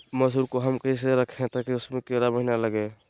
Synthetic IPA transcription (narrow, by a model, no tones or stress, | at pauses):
məsuɾkoɦəmkəĩs̬eɾəkʰẽt̪akiʊsmẽkeɾabəɦnaləɡe